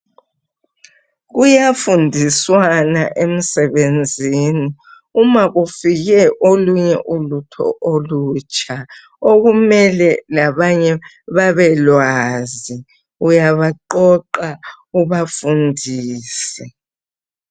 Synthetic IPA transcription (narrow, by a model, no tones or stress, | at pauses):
ɣujafundʱiswanaʔem̩sɛβend͡zʱini | umaɣufiɣɛʔoluɲɛ̰ʔulutʰɔ̰ʔoluːt͡ʃʼa | oɣumɛlɛlaβaɲɛ | βaβɛlwaːzi | ujaβaǃɔǃa | uβafundʱiːsɛ